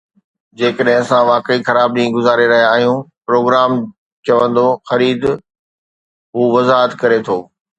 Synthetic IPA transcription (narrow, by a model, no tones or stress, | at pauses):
d͡ʑeːkəɗɦɪ̃ɐsãʋaːkəixɐɾaːb̚ɗĩːɡʊzaːɾeɾɐɦijaːɦijũpɾoːɡɾaːm | t͡ɕɐʋə̃nd̪oxɐɾiːd̪ | ɦuːʋɐzaːɦət̪kɐɾet̪ʰoː